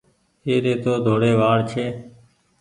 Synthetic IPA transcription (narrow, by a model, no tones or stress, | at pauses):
eːɾeːt̪oːd̪ʱoːɽeːʋaːɽt͡ʃʰeː